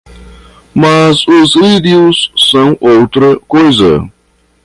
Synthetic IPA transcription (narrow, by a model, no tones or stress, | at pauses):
mɐzʊzlid̪iusːɐ̃w̃ʔowt̪ɾɐkojzɐ̰